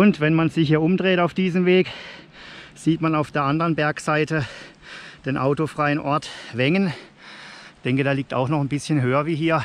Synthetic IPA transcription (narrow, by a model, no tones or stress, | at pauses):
ʔʊntvɛnmanzɪçhiːɐʔʊmdʁeːtaʊfd̥iːzəmveːk | z̥iːtmanaʊfd̥eːɐʔandəʁənbɛɐkz̥aɪtə | d̥eːnʔaʊtofʁ̥aɪənʔɔɐtv̥ɛŋən | çd̥ɛŋkədaːliːk̚ta̰ʊxnɔχnbɪsçənɦøːɐviːɦiːɐ